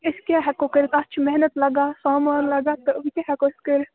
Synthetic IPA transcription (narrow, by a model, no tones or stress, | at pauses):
ɪskjaɦɛkokɪɾkɐt͡ʃʰmɛɦnət̪lɐɡaːsaːmaːnlɐɡaːt̪obikaɦɛkoskɪɾ